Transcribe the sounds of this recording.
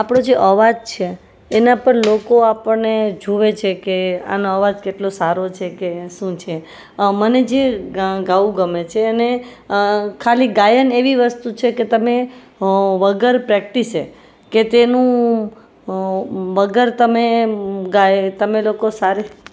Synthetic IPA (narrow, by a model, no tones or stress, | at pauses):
apɽ̃õd͡ʒeʔəʋad͡ʒt͡ʃʰeː | napəɳlokoapəɳned͡ʒuʋet͡ʃʰekea̰noəʋad͡ʒkeʈlosaɾot͡ʃʰekeʃũt͡ʃʰe | məned͡ʒeɡaʋũɡəmet͡ʃʰeəne | kʰaliɡajəneʋiʋəst̪ut͡ʃʰeket̪əme | ʋəɡəɾpɾɛk̚ʈise | ket̪enũ | ʋəɡəɾt̪əmeɡajt̪əmelokosaɾe